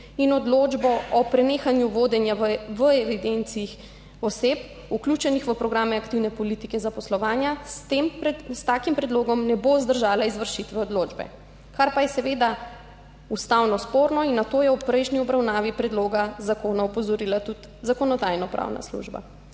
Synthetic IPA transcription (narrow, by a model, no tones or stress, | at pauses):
inɔd̪lod͡ʒbɔʔɔpɾɛneːxanjuʋoːd̪ɛnjaʋəɛʋid̪ent̪siix | ɔsep | uklʲuːt͡ʃɛnixʋəpɾɔɡɾaːmɛakt̪iwnɛpɔlit̪ikɛzapɔslɔʋaːnjat̪emst̪aːkimpɾɛd̪loːɡɔmnɛbozd̪əɾʒaːlaizʋəɾʃit̪ʋɛɔd̪loːd͡ʒbɛ̰ | kaɾpajɛsɛʋeːd̪a | ust̪awnɔspoːɾnɔinːat̪oːjɛupɾɛjʃniɔbɾawnaːʋipɾɛd̪loːɡazakoːnaɔpɔzɔɾiːlat̪ut̪ | zakɔnɔd̪aːjnɔpɾʔa̰wna̰slṵʒba̰